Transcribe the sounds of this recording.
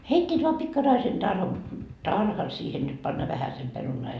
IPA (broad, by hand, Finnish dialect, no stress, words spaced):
heitʲːiːt ʋɑː pikːɑrɑisen tɑr tɑrhɑn siːhen niːt pɑnːɑ ʋæhæsem perunɑː jɑ